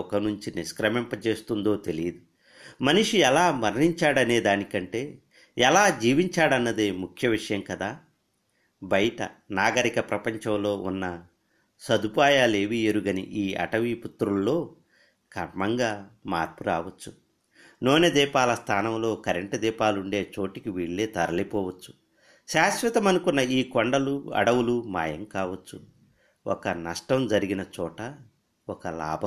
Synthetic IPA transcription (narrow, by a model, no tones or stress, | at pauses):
ɔkɐnuɲt͡ʃiniskɾɐmɛmpɐt͡ʃe̞ːst̪und̪o̞ːt̪elijɐd̪u | mɐniʂuɛlaːmɐɾniɲt͡ʃaːɽɐne̞ːd̪aːnikɐɳʈe̞ː | ɛlaːd͡ʒiːʋiɲt͡ʃaːɽɐnːɐd̪eːmukʰjɐʋiʂɐjɐmkɐd̪aː | bɐjɐʈɐ̰naːɡɐɾikɐpɾɐpɐɲt͡ʃɐmlo̞ːʔunːɐ | sɐd̪upaːjaːle̞ːʋieɾuɡɐnḭʔiːɐ̰ʈɐʋiːput̪ːɾulːo̞ː | kɐmɐŋɡaːmaːɾpuɾaːʋɐt͡ʃːu | no̞ːned̪iːpaːlɐst̪ʰaːnɐmlo̞ːkɐɾeɳʈɐd̪iːpaːluɳɖe̞ːt͡ʃo̞ːʈikiʋiːɭːeːt̪ɐɾɐlipɔːʋɐt͡ʃːu̥ | ʃaːsʋɐt̪ɐmɐnukunːɐiːkoɳɖɐluɐ̰ɽɐwuluma̰ːjɐ̰mkaːʋɐt͡ʃːu | ɔ̰kɐnɐʂʈɐmd͡ʒɐɾiɡinɐt͡ʃɔːʈɐ | ɔkɐla̰ːbʱɐ